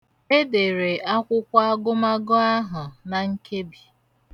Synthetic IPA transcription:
e˦de˨ɾe˨a˦kʷʊ˦kʷa˦a˦ɡʊ˦ma˦ɡʊ˦a˦ɦʊ˨na˨ŋ̩˦ke˦bi˨

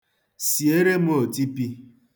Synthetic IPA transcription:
si˨e˦ɾe˦m̩˦o˨ti˦pi˦

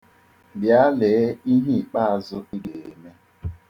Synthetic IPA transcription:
bja˦le˨˦i˦ɦi˦i˨k͡pa˦a˨zʊ˦i˦de˨e˨me˦

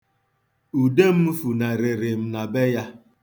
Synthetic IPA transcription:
u˨de˦m̩˦fu˨na˨ɾe˨ɾe˨m̩˨na˨be˦ja˦

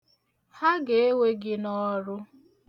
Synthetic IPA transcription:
ha˦ɡe˨e˦we˦ɡɪ˦nɔ˦ɾʊ˦

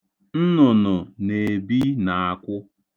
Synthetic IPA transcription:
n̩˦nʊ˨nʊ˨ne˨bi˦na˨a˨kʷʊ˦

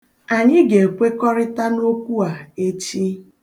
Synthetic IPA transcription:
a˨ɲɪ˦ɡe˨kʷe˦kɔ˦ɾɪ˦ta˦no˦kʷu˦a˨e˦t͡ʃi˦

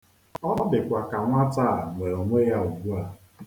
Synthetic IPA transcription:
ɔ˦ɔ˦dɪ˨kʷa˨ka˨ŋʷa˦ta˦˨ŋʷe˨ɾo˨ŋʷe˦ja˦u˨ɡu˦a˨

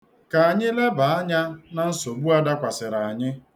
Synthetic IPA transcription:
ka˨a˨ɲɪ˦le˦ba˨a˦ɲa˦na˨n̩˦so˨ɡ͡bu˦a˦da˦kʷa˨sɪ˨ɾa˨a˨ɲɪ˦

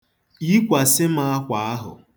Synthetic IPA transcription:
i˦kʷa˨sɪ˦ma˦a˦kʷa˨a˦ɦʊ̰˨

